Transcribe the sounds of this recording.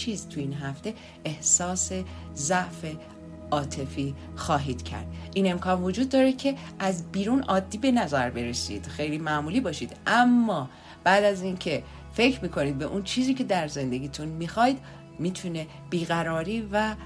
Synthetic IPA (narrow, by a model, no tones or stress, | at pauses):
t͡ʃʰiːzt̪ʰujiːnɦæft̪e̞ | ʔehsɒːse̞zæʔfe̞ | ɒːt̪ʰe̞fiː | xɒːɦiːd̪̥cʰæ̰ɾd̪̥ʔiːne̞mkʰɒːnvod͡ʒuːd̪̚ːɒːɾecʰe̞ | ʔæzbiːɾunɒːd̪ːiːbe̞næzæɾbe̞ɾesḭːd̪̥xe̞jliːmæʔmuːliːbɒːʃid̪ʔæmːɒː | b̥æd̪æzincʰe̞ | fe̞cʰɾmiːkʰo̞niːd̪̚be̞̰ʔunt͡ʃʰiːziːcʰe̞d̪æɾze̞nd̪e̞ɡʲiːt̪ʰunmixɒːjd̪ | miːt̪ʰune | b̥iːɣæɾɒːɾiːvæ